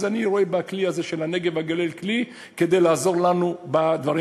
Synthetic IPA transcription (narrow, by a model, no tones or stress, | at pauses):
zaniʁoebakliazeʃelaneɡe̞vaɡalelkli | ked̪e̞jlaːzo̞ʁlanubad̪vaʁi